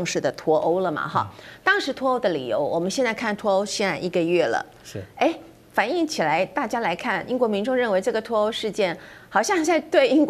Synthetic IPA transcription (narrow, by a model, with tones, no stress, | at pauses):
ʊ˧ŋʂɻ̩˥˩d̪ə˩t̪ʰwɔ˧˥ʔo˥ʊlə˨mɐ̰˩xɑ̰˥˩t̪ɑ˥ŋʂɻ̩˧˥t̪ʰwɔ˥o˥ʊd̪ə˨lḭ˨˩jo̰˧˥ʊwɔ˨˩mə˦nɕjɛ˥˧nt͡sa˥˧ɪkʰa˥˩nt̪ʰwɔ˧˥o˥ʊɕjɛ˥˧na˥˩ɪʔi˥˩ɡə˧ɥɛ˥˩lə̰˩˥˩ | e˥˩ɪ | fa˨˩ni˥˩ŋt͡ɕʰi˨˩la˧˥ɪt̪a˥˩t͡ɕja˥la˧˥ɪkʰa˥˩nḭ˥ŋkwɔ˧˥mi˧˥ŋʈ͡ʂʊ˥˧ŋɻə˥˩nwe˧˥ɪʈ͡ʂɤ˥˩ɡə˩t̪ʰwɔ˧˥o˧˥ʊʂɻ̩˥˧t͡ɕjɛ˥˩nxɑ˨˩ʊɕjɑ˥˧ŋt͡sa˥˧ɪt̪we˥˧ɪi˥ŋk